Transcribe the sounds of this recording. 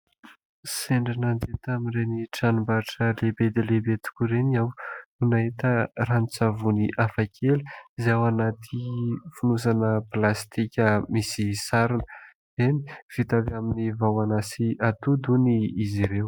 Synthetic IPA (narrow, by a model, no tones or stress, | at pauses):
seɳɖ͡ʐinand̪et̪aminreniʈ͡ʂanumbaʈ͡ʂəlebed̪elebet̪u̥kʲuɾeniawnunaɦit̪əramit͡savuniʔafakʰeliizawanat̪ʰifunusanəplast̪ikʲəmisisaɾinə | zeni̥v̥it̪avaminivawanasiat̪ud̪uniːziɾew